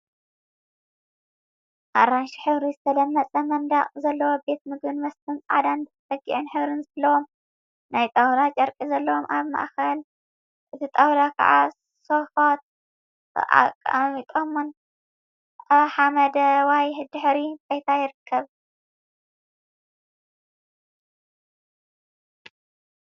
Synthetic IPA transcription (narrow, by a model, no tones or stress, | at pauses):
ʔaɾanʃi̥ħɨβɾizɨt̪ʰɐlɐmːɐt͡sʼɐmɐnd̪aqʼzɐlːɐwo̞be̞t̪̚mɨɡbɨnmɐst̪ʰɨnt͡sʼʕa̰d̪anfɐɡiʔɨnħɨβɾɨnzɐlːɐwo̞m | najt̪ʼɐwd̪at͡ʃʼɐɾkʼizɐlːɐwomʔaβma̰ʔxɐl | ʔɨt̪ʰit̪ʼɐwd̪akʰɐ̰ʕa | sofot̪̚ | ʔa̰kʼa̰mit̪ʼomun | ħamɐd̪ɐwajhd̪ɨħɾibɐjt̪ʰajɪɾɨkʰːɐβ